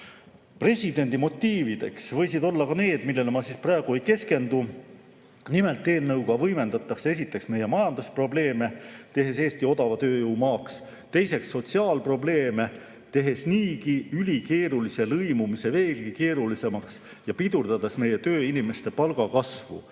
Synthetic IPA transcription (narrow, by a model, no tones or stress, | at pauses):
pre̞sʲid̪e̞nʲd̪̥imo̞t̪ˑːiːvid̪̥e̞̰ksvɤ̞jsid̪o̞lːɑkɑne̞ːd̪milːe̞lmɑsisprɑeɡ̥ue̞jke̞ske̞nd̪̥u | nime̞lt̪ːe̞ːlnɤwkɑvɤjme̞nd̪ɑt̪ːˑɑkse̞s̬ʲit̪ːˑe̞ksme̞je̞mɑjɑnd̪uspro̞ble̞ːme̞t̪e̞ɦe̞s̬e̞ːst̪io̞d̪ɑvɑt̪øːjɯwmɑːks | t̪e̞jse̞ksːo̞t̪siɑːlpro̞ble̞ːme̞ | t̪e̞ɦe̞sniːkiylʲike̞ːɾulise̞lɤjmumiseve̞ːlkike̞ːɾulise̞mɑks | jɑpid̪̥uɾd̪̥ɑd̪esme̞je̞t̪ø̞ːinime̞st̪e̞pɑlɡ̥ɑkɑsvṵ